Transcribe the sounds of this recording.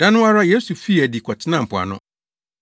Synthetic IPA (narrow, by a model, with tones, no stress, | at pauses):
d̥ã˦nʊ̃˦a˦ɾa˦je˦su˨fi˦˨æ˨di˨kʰɔ˨tʰɪ˦nã˨m̩˨pʰʊ˨a̰˨nʊ̰̃˦